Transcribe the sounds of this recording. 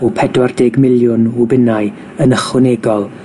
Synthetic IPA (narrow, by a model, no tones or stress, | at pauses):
upʰɛdwardeːɡmɪlˠjʊnwubɪnaɨ | ənəχwɪnɛːɡɔlˠ